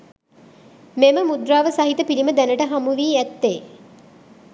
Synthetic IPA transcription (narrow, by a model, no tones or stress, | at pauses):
meməmud̪ɾaːʋəsaɦit̪əpiliməd̪ænəʈəɦamuʋiːæt̪ːeː